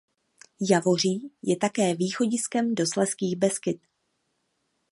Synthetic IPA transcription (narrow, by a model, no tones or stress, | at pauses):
javo̞r̝iːjɛt̪akɛːviːxo̞ɟɪskɛmdo̞slɛskiːxbɛskɪt̪